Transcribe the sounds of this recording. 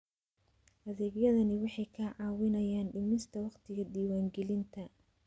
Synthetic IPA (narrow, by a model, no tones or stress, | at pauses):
ʔɐðɛːɡjɐðɐnɪwɑħɑjkʰɐʕɑːwɪnɐjaːnɖɪmɪst̪ʰɐwɑqt̪ʰɪɣɐd̪iːwaːŋɡɛlɪnt̪ʰɐ